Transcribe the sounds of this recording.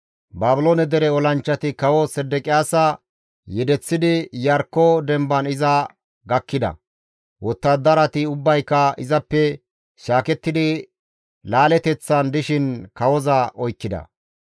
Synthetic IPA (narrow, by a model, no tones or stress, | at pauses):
baːbɪloːnɛd̪ɛɾɛɔlɐnt͡ʃːɐt̪ɪkɐwɔsɛd̪ːɛkʼɪjaːsɐ | jɛd̪ɛt͡sːɪd̪ɪjɐɾkːɔd̪ɛmbɐnɪzɐ | ɡɐkːɪd̪ɐ̰ | wɔt̪ːɐd̪ɐɾɐt̪ɪʊbːɐjkːɐɪzɐpːɛ | ʃaːkɛt̪ːɪd̪ɪ | laːlɛt̪ɛt͡sːɐnd̪ɪʃɪnkɐwɔzɐʔɔjkːɪd̪ɐ̰